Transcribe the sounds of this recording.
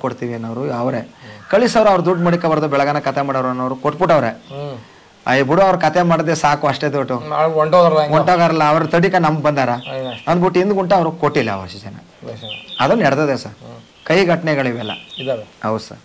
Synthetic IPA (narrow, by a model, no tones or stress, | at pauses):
koɽt̪iʋiɐnːɐʋɐɾuɐʋɾekɐɭisɐʋɾuɐʋɐɾud̪uɖmɐɽikɐbɐɾd̪ubɛɭɐɡɐnɐkɐt̪ʰemaːɽɐʋɐɾuɐnːɐʋɐɾukoʈ̚ːbuʈːɐʋɐɾe | ɐ̰ibuɽuɐʋɾukɐt̪ʰemaːɽɐd̪esaːkuɐʂʈed̪oʈːuoɳʈoɡaɾɐlɡoɳʈoɡaɾɐlːɐːʋɾɐt̪ɐɽikɐnɐmːɐɡbɐnd̪aːɾɐɐnd̪buʈːind̪ɡuɳʈuɐʋɾukoʈːilːɐ̰ɐ̰ʋɾuʃid͡ʒɐnɐ̰ | ɐd̪ɐnːɛɽt̪ɐd̪esa̰ɾ | kɐjɡʱɐʈɐɳɛɡɐɭiʋɛlːɐ̰iʋɛlɐɦɐw̪sɐ̰ɾ